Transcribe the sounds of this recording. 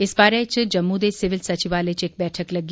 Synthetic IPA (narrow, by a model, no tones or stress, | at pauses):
ɪsbaːɾẽt͡ʃd͡ʒɐmːud̪esɪʋɪlsɐt͡ʃiʋaːlet͡ʃeːk̚bɛːʈʰəklɐɡi